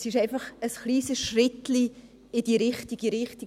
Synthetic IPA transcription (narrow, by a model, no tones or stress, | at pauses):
sɪʃaɪnfɑχəsχliːsəsʃrɪtli | ɪd̥iɾɪχtiɡiɾɪχti